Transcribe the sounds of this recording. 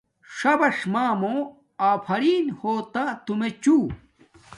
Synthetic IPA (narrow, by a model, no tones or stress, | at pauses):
ʂɐbɐʂmaːmõ | aːpʰɐɾiːnhoːt̪at̪umet͡ɕuː